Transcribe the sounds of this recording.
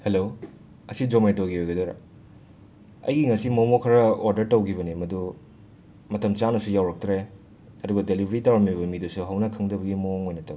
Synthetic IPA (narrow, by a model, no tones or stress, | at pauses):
helo | ɐsid͡ʒomejtoɡiojɡɐdoɾɐ̰ | ɐ̰jɡiŋɐsimomokʰɐɾɐoɾdɐɾtɐwkʰibɐnimɐdu | mɐtɐmt͡ʃanɐsujawɾɐk̚tɾe | ɐduɡɐdelibʱɐɾitawɾɐmiβɐmidusuɦɐwnɐkʰɐŋdɐbɐɡimoŋojnɐtɐw